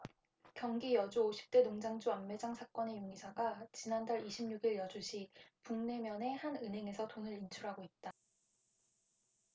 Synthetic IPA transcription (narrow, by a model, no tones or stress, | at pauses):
kjʌŋɡijʌd͡ʑuoɕʰi̥p̚t͈enoŋd͡ʑaŋd͡ʑuamːe̞d͡ʑaŋsʰak͈ʌne̞joŋisʰaɡat͡ɕinandaɾiɕʰimɲuɡiɭjʌd͡ʑuɕʰipuŋne̞mjʌne̞hanɯnɦe̞ŋe̞sʰʌtonɯɾint͡ɕʰuɾɦaɡoit̚t͈a